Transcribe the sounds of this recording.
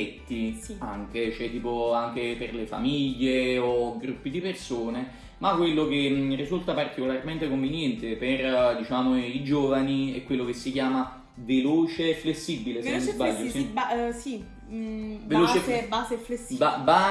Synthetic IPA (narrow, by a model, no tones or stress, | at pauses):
ɛt̪ːiiaŋk̟et͡ʃɛt̪ːiːpoaŋk̟eperlefa̰miʎːeoɡɾupːid̪ipersoːne | makːwelːok̟erizult̪apart̪ikolarment̪ekoɱvinjɛnt̪eperd̪it͡ʃaːmoid͡ʒoːvaniɛ̰kːwelːokesːikjaːma | veloːt͡ʃeflesːibilesenmizbaʎːosisi | veloːt͡ʃebazefleaba